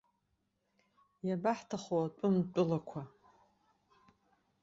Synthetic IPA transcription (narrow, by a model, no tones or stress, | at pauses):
jabaħtʰaχoat͡pʼʊmt͡pʼʊlakʷʰa